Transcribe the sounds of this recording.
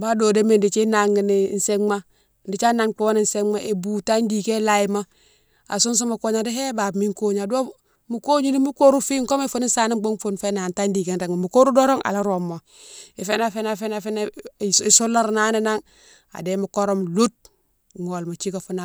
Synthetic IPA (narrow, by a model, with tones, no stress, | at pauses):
ba˦do˨de˦me˨ndi˨t͡ʃi˦na˨ŋːi˨ni˨n̩se˦ma˦˨ | ndi˨t͡ʃa˦na˦ŋk͡pu˦wo˦ni˦˨nse˦ma˦ʔe˨bu˨ta˦ndi˨ke˦la˨ji˦ma˦ | a̰˨su˦ns̬o˦ma˨ko˦ɲa˨de˦ɦe˦ba˨bmi˦ŋko˦ɲa˨do˦ | mu˨ko˦ɲi˦ni˦mu˦ko˦ɾu˦fi˦ŋko˦me˦fu˦ni˦nsa˦ni˦mɡ͡bo˦ŋfu˦nfe˦na˨nta˦ndi˨ke˦nɾa˨ŋi˨mu˨ko˦ɾu˦do˦ɾo˦ŋʔa̰˨la˦ɾo˨mːo˨ | i˨fe˦na˦fe˦na˨fe˦na˦fe˦na˦˨i˨su˦lːa˦ɾna˦ni˦na˦ŋ | a̰˨de˦mu˨ko˦ɾo˦mlu˦t̚ | ŋo˨lma˨t͡ʃi˦ka˨fu˦na˨